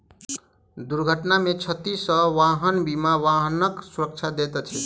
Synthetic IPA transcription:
d̪uɾɡʱəʈnamet͡ʃʰət̪isəʋaɦənbimaʋaɦənəksuɾək̚t͡ʃʰad̪et̪t͡ʃʰi

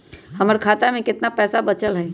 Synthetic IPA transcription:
hɐməɾkʰaːt̪amẽkɪt̪napɛːsabɐt͡ʃəlɦɛː

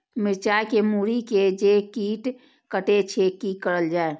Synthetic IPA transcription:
mɪɾt͡ʃajkemuɾiked͡ʒekiːʈ | kəʈet͡ʃʰekikəɾəld͡ʒaːe

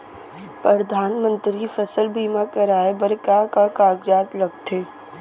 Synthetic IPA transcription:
pɾɐd̪ʱaːnmə̃nt̪ɾifɐsəlbʱiːmakɐɾaːebɐɾkakakaːɡd͡ʒaːt̪lɐɡt̪eː

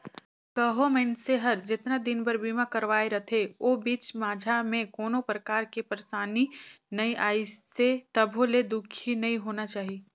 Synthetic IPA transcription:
kɐɦomɛ̃nseɦɐɾd͡ʒɪt̪nad̪ɪnbɐɾbiːmãkɐɾʋaːeɾɐt̪ʰeoːbiːt͡ʃmaːd͡ʒʱamẽkoːnõpɾəkaːɾkepəɾsaːninɐĩʔaːiset̪ɐbʱoled̪ʊkʰinɐĩɦoːnat͡ʃaːɦiː

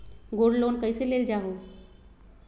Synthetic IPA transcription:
ɡoːɽloːnkəjseleld͡ʑaɦo

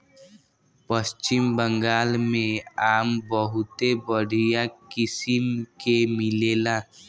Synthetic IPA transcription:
pəst͡ʃɪmbə̃ŋɡaːlmẽaːmbəɦʊt̪ebəɽ̤ijakɪsɪmkemɪleːlaː

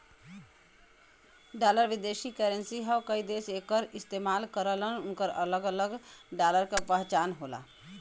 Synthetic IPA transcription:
ɖaləɾʋɪd̪eʃikəɾənsiɦəwkəid̪esekəɾɪst̪emaːlkəɾələnʊnkəɾə̰ləɡələɡɖaləɾkapəɦt͡ʃaːnɦola̰

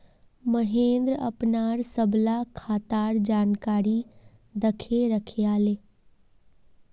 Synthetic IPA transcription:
məɦẽːnd̪ɾə̰pnaːɾsəblakʰaːt̪aːɾd͡ʒaːnkaːɾi | d̪əkʰeɾəkʰeaːleː

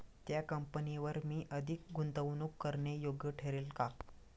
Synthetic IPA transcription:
t̪jakəmpəniʋəɾmiːʔəd̪ʱik̚ɡʱunt̪əʋnuːkːəɾɳejoɡjəʈʰeɾeːlka

